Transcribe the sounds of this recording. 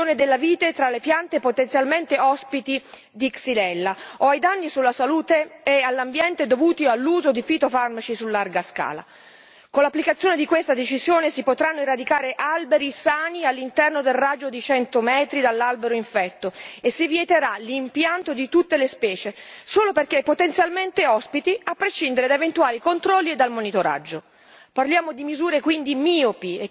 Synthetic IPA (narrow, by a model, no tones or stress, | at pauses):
oːned̪elːaviːt̪et̪ɾalːepjant̪epot̪ent̪sjalment̪eɔspit̪i | d̪iksilɛlːaoajd̪anːisulːasaluːt̪eːalːambjɛnt̪ed̪ovuːt̪ialːuːzod̪ifit̪ofarmat͡ʃisulːarɡaska̰ːla̰ | konlːapːlikat̪sːjoːned̪ikwest̪ad̪et͡ʃizjoːnesipot̪ɾanːoirad̪ikaːɾeʔalbeɾisaːnialːint̪ɛrnod̪elrad͡ʒːod̪it͡ʃɛnt̪omɛːt̪ɾid̪alːalbeɾoiɱfɛt̪ːoesːivjet̪eɾalimpjant̪od̪it̪ut̪ːelespɛːt͡ʃesoːloperkepːot̪ent̪sjalment̪eɔspit̪iapːɾeʃind̪eɾed̪aevent̪uaːlikont̪ɾɔlːied̪ːalmonit̪oɾa̰d͡ʒːo | parljaːmod̪imizuːɾekwind̪imiːopie